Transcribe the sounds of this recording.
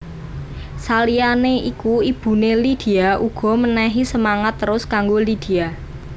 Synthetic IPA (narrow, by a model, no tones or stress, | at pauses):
salianeikuib̥ṳnelid̪̥i̤aʔuɡ̥ɔ̤mənɛɦisəmaŋat̪ːəɾʊskaŋɡolid̪̥i̤a